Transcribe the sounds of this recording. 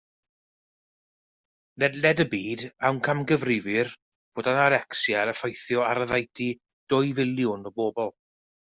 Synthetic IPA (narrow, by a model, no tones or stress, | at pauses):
nɛdlɛdəbiːdawnkʰamɡəvrɪvɪr | b̥oːdanaɾɛksjaɾəfajθjɔaɾəðajtʰi | d̥ʊjvɪlˠjʊnɔboːbɔlˠ